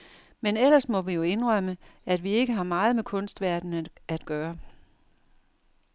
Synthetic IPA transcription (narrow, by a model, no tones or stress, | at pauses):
menel̰ɐsmɒ̽ʋijo̝e̝nʁɶməæd̥ʋie̝ɡ̥əɦɑ̈mɑ̈ːð̞̩ˠmekʰɔ̽nsd̥ʋæɐ̰d̥n̩æd̥ɡ̥ɶːɐ